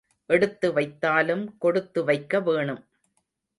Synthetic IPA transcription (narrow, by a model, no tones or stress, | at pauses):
ʔɛɽɯt̪ːɯʋɐɪt̪ːaːlɯmkɔɽɯt̪ːɯʋɐɪkːɐʋeːɳɯm